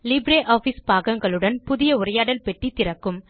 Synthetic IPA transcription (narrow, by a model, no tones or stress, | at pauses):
lɪbɾeːʔaːfispaːɣɐŋɡɐɭɯɽɐnpʊðɪjɐʊrɐjaːɽɐlpɛʈːit̪ːɪrɐkːɯm